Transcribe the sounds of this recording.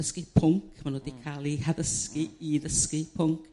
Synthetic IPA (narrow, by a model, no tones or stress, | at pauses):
əskipʰʊŋkʰmanwədikʰaːlˠihaðəskiiðəskipʰʊŋkʰ